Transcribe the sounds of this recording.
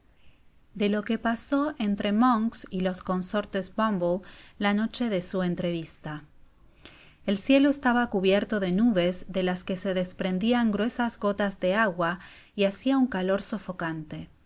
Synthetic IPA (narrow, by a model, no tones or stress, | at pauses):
d̪e̞lo̞ke̞paso̞ʔe̞nt̪ɾe̞mõŋksilo̞sko̞nso̞ɾt̪e̞zbambolːano̞t͡ʃe̞ðe̞sue̞nt̪ɾe̞β̞ist̪a | elsje̞loest̪aβakuβje̞ɾt̪o̞ðe̞nuβ̞e̞zðe̞laske̞se̞ðe̞spɾe̞nd̪iaŋɡɾwe̞sazɣo̞t̪azðe̞aɣwa | iasiauŋkalo̞ɾsofo̞kant̪e̞